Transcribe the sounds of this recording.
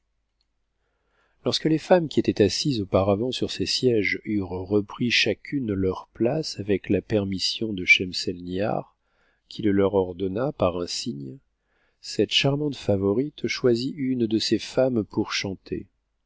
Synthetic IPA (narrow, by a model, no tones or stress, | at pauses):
lɔʁskəlefamkʲiet̪ɛt̪asizopaʁavɑ̃syʁsesjɛʒyʁʁəpχiʃakʲʰynlœʁplasavɛklapɛʁmisjɔ̃d̪əʃɛmsɛlnja̰ʁ | kʲʰiləlœʁɔʁd̪ɔnapaʁɛ̃siɲ | sɛt̪ʃaʁmɑ̃t̪favɔʁit̪ʃwaziʔynd̪əsefampuʁʃɑ̃t̪ʰḛ